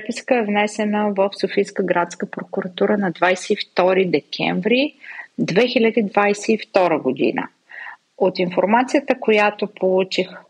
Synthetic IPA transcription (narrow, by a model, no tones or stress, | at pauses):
ɛpiskəɛvnɛsɛnəvəfsofijskəɡɾat̪skəpɾokʊɾɐt̪uɾənɐd̪vajsɛift̪ɔɾid̪ɛkʲʰɛ̰ɱvɾid̪vɛxilʲəd̪iːd̪vajsɛift̪ɔɾəɡod̪ḭnə̰ | ot̪infoɾmat̪sijət̪əkojat̪opʰolˠut͡ʃix